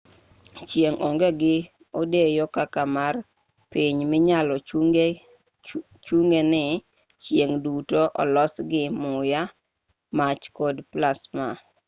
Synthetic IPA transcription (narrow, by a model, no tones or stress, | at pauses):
t͡ʃjeŋʔoŋɡeɡɪ | odejokakamar | piɲmɪɲalɔ | t͡ʃuŋɡenɪ | t͡ʃjeŋdutoʔɔlɔsɡɪmʊja | mat͡ʃkodplasma